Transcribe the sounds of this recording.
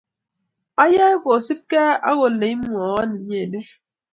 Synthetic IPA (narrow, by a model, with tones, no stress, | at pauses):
a˦ja˦ko˨si˦p̚kɛ˦a̰˦ɣo˨le˨i˦mʷ˦ɔ˨˦a˦ni˨˦ɲe˦˨de˦